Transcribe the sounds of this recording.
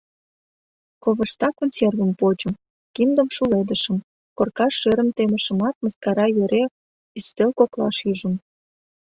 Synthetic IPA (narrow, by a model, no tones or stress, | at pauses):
koβə̆ʃt̪ɑkonsʲervə̆mpot͡ɕəm | kimd̪əmʃuled̪əʃəm | korkɑʃːøɾə̆mt̪eməʃə̆mɑt̪̚məskɑɾɑjøɾe | yst̪elkoklɑ̰ʃyʒəm